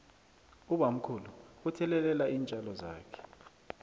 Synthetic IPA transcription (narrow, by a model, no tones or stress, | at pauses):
uɓam̩kʰuluutʰɛlɛlɛlaiːnt͡ʃʼalɔza̰ːkʰɛ̥